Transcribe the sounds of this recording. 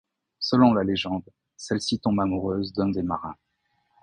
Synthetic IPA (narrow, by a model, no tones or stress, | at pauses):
səlɔ̃laleʒɑ̃d̪ | sɛlsit̪ɔ̃bamuʁøːzd̪ɔ̃nd̪emaʁɛ̰̃